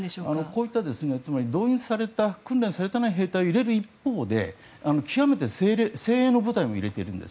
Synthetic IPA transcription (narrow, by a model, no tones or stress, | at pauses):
oanoko̞ːit̪ːad̪e̞sɨne̞t͡sɨmaɾʲid̪o̞ːĩɰ̃saɾe̞t̪akɯ̟̃nɾẽ̞ɰ̃saɾe̞t̪anaiɦe̞ːt̪aioiɾe̞ɾɯ̟ipːo̞ːd̪e̞̰ | ano̞kʲʰijame̞t̪e̞seːɾeːse̞ːeːno̞bɯ̟t̪aimo̞ḭɾe̞t̪e̞̰ɾɯ̟̃nd̪es